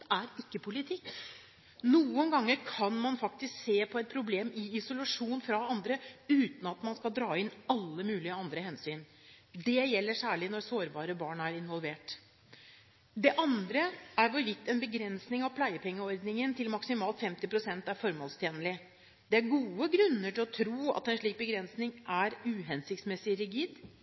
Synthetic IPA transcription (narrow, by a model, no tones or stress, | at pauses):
æɾɪkːəpʰʊlɪt̪ʰɪkː | nuːənɡɑŋːəɾkʰɑnmɑnfɑk̚t̪ɪskseːpʰɔɛt̪̚pʰɾʊbleːmɪɪsʊlɑʂuːnfɾɑɑnd̪ɾəʉːt̪n̩ɑt̪mɑnskɑld̪ɾɑːɪnɑlːəmʉːlɪəɑnd̪ɾəhɛnsyːn | d̪ɛjɛlːəʂæːɭɪnɔɾsoːɾbɑːɾəbɑːɳæɾɪnʋɔlʋeːʈ | d̪ɛʔɑnd̪ɾəæɾʋɔɾʋɪt̪ːɛnbəɡɾɛnsnɪŋɑʋpʰlæɪəpʰɛŋːəɔɾd̪nɪŋənt̪ʰɪlmɑksɪmɑːlt̪fɛmt̪ɪpɾʊsɛnt̪æɾfɔɾmoːlst̪ʰjeːnəlɪ | d̪̥ɛæɾɡuːəɡɾʉnːəʈɪlɔt̪ʰɾuːɑ̰t̪ɛnʂɭiːk̚bəɡɾɛnsnɪŋʔæɾʉːɦɛnsɪkt̪smɛsɪɾɪɡiːd̪